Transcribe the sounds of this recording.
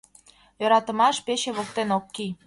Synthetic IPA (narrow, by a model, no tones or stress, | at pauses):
jɤ̆ɾɑt̪ə̆mɑʃpeɕeβok̚t̪enokːi